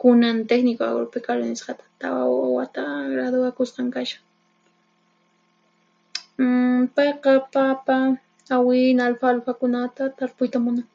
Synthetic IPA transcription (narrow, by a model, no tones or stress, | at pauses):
kʊnant̪eknɪkʊa̰woɾpekalonɪsqɑt̪ḁt̪a̰wa̰wat̪aɡɾad̪ʊakosqɑŋkaʃḁŋ | pɑjqɑpapa | awɪnalfalfakʊnat̪at̪aɾpʊjt̪amʊnaŋ